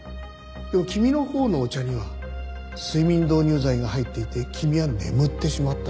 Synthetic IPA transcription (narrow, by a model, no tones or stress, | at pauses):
d̪̥e̞mokʲimʲino̞ho̞ːnoːt͡ɕaɲ̟iβa | sɨimʲĩnd̪o̞ːɲ̟ɨːzaiɡaɦait̪ːe̞it̪e̞kʲʰimʲiβane̞̰mɯ̟t̪ːe̞ɕimat̪ːa